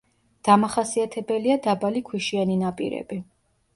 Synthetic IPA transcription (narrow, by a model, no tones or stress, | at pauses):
d̪̥amaχasiat̪ʰɛbɛliad̪abalikʰwiʃianinapʼḭɾɛ̰b̥i